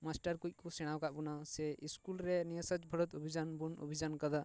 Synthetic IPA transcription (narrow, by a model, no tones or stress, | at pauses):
masʈəɾkujt̪̚ˀkɔsɛɽ̃awkaʔbɔnasɛiskulɾɛnijəsad͡ʒbʱəɽɔt̪obʱid͡ʒanbuno̰bʱid͡ʒankəd̪a